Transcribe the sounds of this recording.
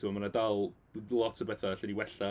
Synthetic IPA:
timamanadalˠ | lˠɔtʰəbɛθaɬɛniwɛɬa

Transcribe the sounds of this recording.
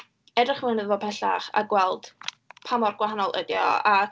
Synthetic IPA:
ɛdrɪχmənəðvɔpʰɛɬa̰χa̰ɡwɛlˠd̥ | pʰamɔrɡwaɦanɔlˠʔədjɔ̰a

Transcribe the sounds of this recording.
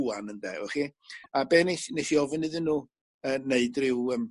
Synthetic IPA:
anəndɛ̰ɛχiabeːnesnejsiɔvənɨðɪnːuː | əːneɨdrɪwəːm

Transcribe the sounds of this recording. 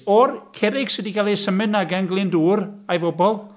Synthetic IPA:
ɔrkʰɛɾɪɡ̥sɛdikʰalˠisəmɨnːaɡaŋɡlˠɪnduːrajvɔbɔlˠ

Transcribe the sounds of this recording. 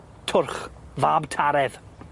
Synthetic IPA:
tʰʊrχvaːbtʰaɾɛð̥

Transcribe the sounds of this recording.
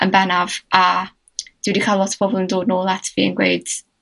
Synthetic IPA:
ənbɛnava | d̥ɪwɪdikʰajlˠɔtʰə̥bʰɔbɔlˠəndoːdnoːlˠatʰvḭːə̰nɡwḛjd̥

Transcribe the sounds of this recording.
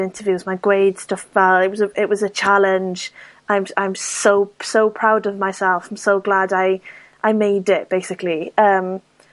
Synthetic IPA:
ɪ̃ntʰəvjʉːzmaɪɡɹeɪd̥stʌfvɛlɪʔ̚wɒzəɪʔwɒzət͡ʃʰalɪ̃nd͡ʒ | ãɪ̃mãɪ̃msoʊsoʊpʰɹ̥aʊdəvmaɪsɛlˠfãɪ̃msoʊɡladaɪ | ʔaɪmeɪdɪʔb̥eɪsɪkliə̃m

